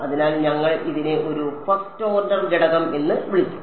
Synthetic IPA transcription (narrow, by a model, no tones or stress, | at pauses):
ɐðinaːlɲɐŋːɐɭʔiðine̞ʔo̞ɾufɐrstːoːrɖɐrd͡ʑeɽɐɣɐme̞nːɨʋiɭit͡ɕʲːu̥